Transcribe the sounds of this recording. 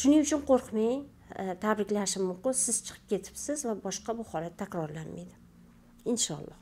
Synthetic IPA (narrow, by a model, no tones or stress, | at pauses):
ʃʊnɪŋʊt͡ʃʰʊnqʰoɾqʰmej | t̪ʰabɾɪkʲlaʃɪmːʊmqʊsɪz̥t͡ʃʰɨ̥qʰɨ̥p̚kʲʰe̞t̪ʰɪ̥psɪzvabɒʃqɑbʊhɒɾat̪ʰːakʲɾɒɾlanmejd̪ɪ | ɪnʃɒ̰lˠːɒ̰h